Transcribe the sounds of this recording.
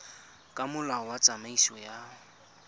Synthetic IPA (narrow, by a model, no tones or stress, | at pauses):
kʼamʊlaɔwat͡sʼamaisiwɔja